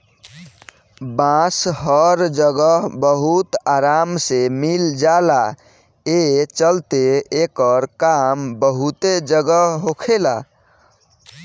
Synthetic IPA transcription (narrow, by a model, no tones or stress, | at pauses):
bãsɦəɾd͡ʒəɡəbəɦut̪aɾamsemild͡ʒala | et͡ʃəlt̪eekəɾkambəɦut̪ed͡ʒəɡəɦokʰela